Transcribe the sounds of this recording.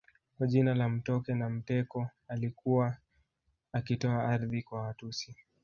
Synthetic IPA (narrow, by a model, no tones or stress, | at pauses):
kwaʄinalam̩tɔkɛnam̩tɛkɔalikuwa | akitɔaaɾðikwawatusi